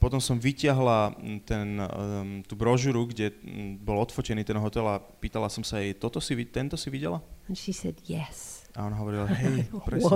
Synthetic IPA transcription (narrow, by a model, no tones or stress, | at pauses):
pɔt̪ɔmsɔmʋicɪaɦlat̪ɛnt̪uːbɾɔʒuɾuɡɟɛbɔlɔt̪fɔt͡ʃɛniːt̪ɛnɦɔt̪ɛlapiːt̪alasɔmsajt̪ɔt̪ɔsiʋit̪ɛnt̪ɔsiʋiɟɛlaɛ̃nʃisɛdjɛs | aɔnaɦɔʋɔɾilaɦɛjpɾɛ